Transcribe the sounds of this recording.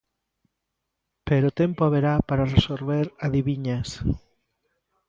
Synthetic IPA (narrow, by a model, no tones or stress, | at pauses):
peɾot̪empoaβeɾapaɾaresoɾβeɾaðiβiɲas